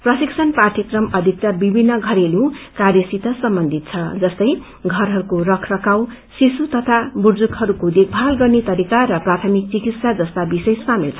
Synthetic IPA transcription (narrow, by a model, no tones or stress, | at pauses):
prʌsiksʰʌnpart̪ʰjikrʌmʌd̪ʱik̚t̪abibʱinːʌɡʱʌɾelukarjʌsit̪ʌsʌmbʌnd̪ʱit̪̚t͡sʰʌd͡zʌst̪ʌj | ɡʱʌrɦʌɾukorʌkʰrʌkaw | sisut̪ʌt̪ʰaburd͡zukhʌɾukod̪ek̚ʰbʱalɡʌrnet̪ʌɾikaɾʌprat̪ʰʌmik̚t͡sikit̪sad͡zʌst̪abisʌjsamilt͡sʰʌ